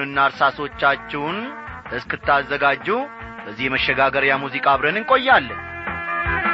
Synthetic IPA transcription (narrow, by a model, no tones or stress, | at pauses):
ɨnːaɾsaso̞t͡ʃːat͡ʃːɛwʊnʔɨskʰɨt̪ʰːazːəɡad͡ʒːuw | bəzːihməʃːɛɡaɡəɾjamuzikʼaːβɾənɨŋkʼo̞jːalːəɲ